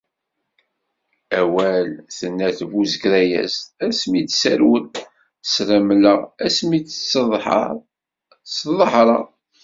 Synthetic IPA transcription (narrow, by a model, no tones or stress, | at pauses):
æwælθənːæθvuzəɡɾæjæ̰zæsmit͡ssæ̰ɾwən | θə̥sɾəmləʁæsmit͡s | sðˤəħɾˤɑ